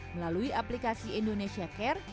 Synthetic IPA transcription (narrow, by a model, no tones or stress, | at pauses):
məlaluiʔaplikasiindonesiakɛr